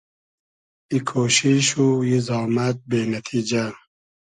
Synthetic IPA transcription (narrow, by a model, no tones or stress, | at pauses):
ikʰoːʃiʃujizɑːmat̪̚beːnat̪ʰid͡ʒa